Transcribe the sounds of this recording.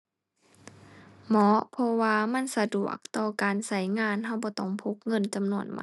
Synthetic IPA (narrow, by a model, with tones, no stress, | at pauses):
mɔ˧˦˥pʰɔ˧waː˧ma˧˥˨nsa˧du˨˩ək̚t̪ɔː˧˩kaː˨nsa˧˩jŋaː˧˥˨nɦa˧˩wbɔː˧˦t̪ɔ˧˩˨ŋpʰo˧˦k̚ŋɤ˧˥˨nt͡ɕa˨mnu˧˩˨ə˨nma̰˧